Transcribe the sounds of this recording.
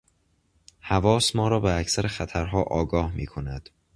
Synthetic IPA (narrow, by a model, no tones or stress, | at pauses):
hævɒːsmɒːɾɒːbeæcʰsæɾexæt̪ʰæɾɦɒːʔɒːɡɒːhmḭːkʰo̞næd̪̥